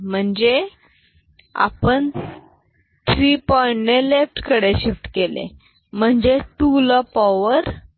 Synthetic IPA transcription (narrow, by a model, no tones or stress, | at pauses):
m̤əɳd͡ʑe | a̰pəɳ | t̪ʰɾiːpɔɾnelefʈkəɽeɕifʈ̪kelḛ | m̤əɳd͡ʑeʈuləpɔʋəɾ